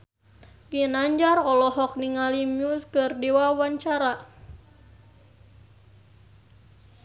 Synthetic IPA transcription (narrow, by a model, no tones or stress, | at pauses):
ɡinaɲd͡ʒarɔlɔɦɔk̚niŋalimiuskɨrdiwawaɲt͡ʃaɾa